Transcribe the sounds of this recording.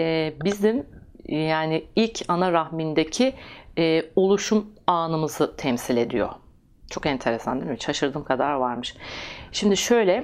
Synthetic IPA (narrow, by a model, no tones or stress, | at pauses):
ɛːbizimjaːniilʲcʰanaɾahmind̪ecʰiː | olˠuʃumaːnɯmɯzɯt̪ʰɛmsilʲe̞d̪ḭjo̰ | t͡ʃʰo̞kɛnt̪ʰe̞ɾesa̰nd̪imʃʰaʃɯɾd̪ɯːmkʰad̪aɾvaɾmɯʃʃimd̪iʃø̞jlʲɛ